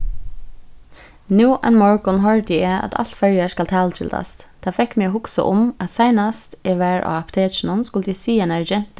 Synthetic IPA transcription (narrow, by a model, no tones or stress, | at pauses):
nuːʔɛ̰nmɔɹɡʊnɦɔɹd̪ɪɛa̰t̪ʰa̰l̥t̪fɛɹjəskalt̪ʰɑːlət̪ʰɪ̰ld̪a̰st̪t̪ʰɑːfɛkmɛːɦʊksə̰ʔʊmat̪saɪnast̪ɛʋæɹʔa̰ɑpt̪ʰeːt͡ʃnʊnskʊləd̪isiːɛnaɹd͡ʒɛn̥t̪